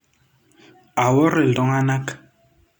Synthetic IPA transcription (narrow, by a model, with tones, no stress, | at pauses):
a˨wɔ˦ɾe˨lɔ˦ŋa˦na˦k